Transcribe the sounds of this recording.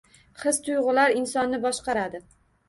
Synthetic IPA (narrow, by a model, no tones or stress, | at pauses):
χɨz̥t̪ʰʊjʁʊlaɾɪnsɒnːɪbɒʃqɑɾad̪ɪ